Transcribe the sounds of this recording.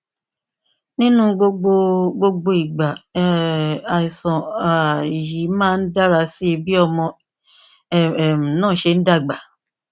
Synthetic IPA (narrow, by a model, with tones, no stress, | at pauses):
nĩ˦nũ˦ɡ͡bo˧ɡ͡bo˧ɡ͡bo˧ɡ͡bo˧i˨ɡ͡ba˨ | a˨i˨sɔ̃˨a˨i˨ji˨˦mãː˦˧n̩˦da˦ɾa˧si˦˧bi˦ɔ˧mɔ̃˧˦˨ | m̩˨nãː˦˨ʃe˧n̩˦da˦˨ɡ͡ba˨